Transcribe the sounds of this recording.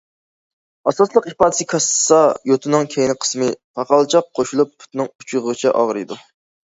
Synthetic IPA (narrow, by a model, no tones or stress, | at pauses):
ɑsɑslˠəqipɑːd̪ɨsɨkʰɑssɑjot̪ʰɨnɨŋkʲʰejɪnɨqʰə̥smɨpʰɑqɑlˠt͡ʃʰɑq̚qʰːoʃulˠupːʰʊ̥t̪nɨŋut͡ʃʰʊʁəʁɨt͡ʃʰɛʔɑ̰ʁɾɨd̪u